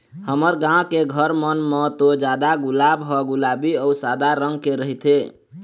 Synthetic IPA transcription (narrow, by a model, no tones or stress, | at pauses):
həməɾɡãkeɡʱəɾmənmet̪od͡ʒad̪aɡulabɦɔɡulabiəusad̪aɾəŋɡkeɾəɦit̪e